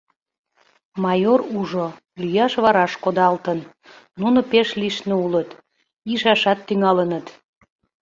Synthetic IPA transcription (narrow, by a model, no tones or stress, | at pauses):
mɑjoruʒo | lyjɑʃβɑɾɑʃkod̪ɑlt̪ən | nunopeʃliʃneulət̪ | iʃɑʃɑt̪ːyŋɑlənət̪